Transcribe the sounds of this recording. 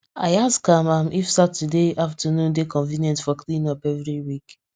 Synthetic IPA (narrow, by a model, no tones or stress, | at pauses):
a̰ɪaskamãmʔifsatudeaftʰənũndekɔ̃nvĩnjɔ̃ntfɔkʰlĩnɔpɛvɾiwik